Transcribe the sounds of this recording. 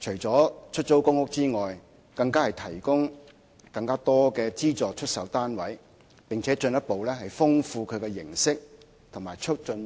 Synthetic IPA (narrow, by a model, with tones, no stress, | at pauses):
t͡ʃʰɵ˨˩ɥt͡sɔː˨˥t͡ʃʰɵ˥t̚t͡so˥wkʊ˥ŋkʊ˥k̚t͡siː˥ŋɔː˨j | kɐ˧ŋkaː˥hɐ˨jt̪ʰɐ˨˩jkʊ˥ŋ | kɐ˧ŋkaː˥t̪ɔː˥kɛː˧t͡siː˥t͡sɔː˨k̚t͡ʃʰɵ˥t̚sɐ˨˥wt̪aː˥nwɐ˨˥j | pɪ˨ŋt͡sʰɛː˨˥t͡ʃɵ˧njɐ˥t̚po˨wlɛ˥ɦɐ˨jfʊ˥ŋfuː˧kʰɵ˨˧ɥkɛː˧jɪ̰˨˩ŋsɪ˥k̚ | t̪ʰʊ˨˩ŋma̰ː˨˩jt͡ʃʰɵ˥t̚t͡ʃɵ˧n